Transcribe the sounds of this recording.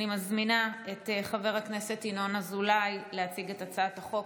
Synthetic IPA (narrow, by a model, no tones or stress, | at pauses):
imazminae̞teχave̞ʁhakne̞se̞tino̞nazulajleat͡siɡe̞tat͡saataχo̞k